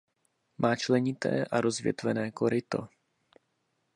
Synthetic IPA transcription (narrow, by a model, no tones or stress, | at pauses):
maːt͡ʃlɛɲɪt̪ɛ̰ːʔaɾo̞zvjɛ̰t̪vɛnɛːko̞ɾɪt̪o̞̰